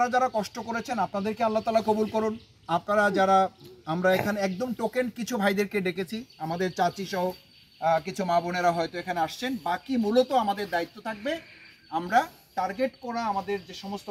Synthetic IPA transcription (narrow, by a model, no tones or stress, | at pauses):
ɾad͡ʑaɾakɔʃʈokoɾet͡ɕʰenapnad̪eɾkealːat̪aːlakobulkɔɾun | ap̚naɾad͡ʑaɾaamɾaekʰaneɛk̚d̪omʈokenkit͡ɕʰubʱajd̪eɾkeɖekʰet͡ɕʰiamad̪eɾt͡ɕat͡ɕiʃɔɦo | kit͡ɕʰumaboneɾaɦɔet̪oekʰaneaʃt͡ɕʰenbakimulot̪oamad̪eɾd̪ait̪ːot̪ʰak̚be | amɾa | ʈaɾɡeʈkoɾaamad̪eɾd͡ʑeʃɔmost̪o